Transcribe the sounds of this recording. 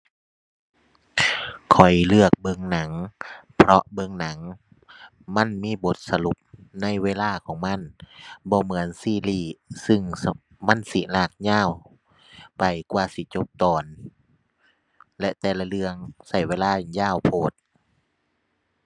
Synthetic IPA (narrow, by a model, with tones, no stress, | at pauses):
kʰɔ˨˩jlɯ˧˩ək̚bɤ˧ŋna˨˩˦ŋpʰɾɔ˧ʔbɤ˧˥ŋna˨˩˦ŋ | ma˧˥˨nmiː˧˥˨bo˧˦t̪̚sa˧lu˧˦p̚na˧˥˨jweː˧˨laː˧˩˨kʰɔː˨˦ŋma˧˥˨nbɔː˧mɯ˨˦ənsiː˧˩˨liː˧˩sɯ˧˨ŋ | ma˧˥˨nsi˧˦laː˧˩k̚ɲaː˧˥˨w | pa˨jkwaː˧˩si˧˦t͡ɕo˧˥˦p̚t̪ɔː˨˩n | lɛ˧ʔt̪ɛː˧˩la˧lɯ˧əŋsa˧˩jweː˧˨laː˧˩˨njaː˧˥˨wpʰoː˧˩t̪̚